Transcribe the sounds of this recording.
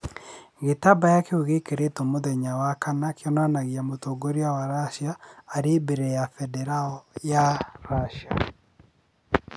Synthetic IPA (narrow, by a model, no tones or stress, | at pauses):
ɣetabajakeoɣekeɾetomoðɛɲawakanakeɔnanaɣiamotoɡoɾiawaɾaʃiaːɾebeɾejafɛdɛɾaɔjaɾaʃa̰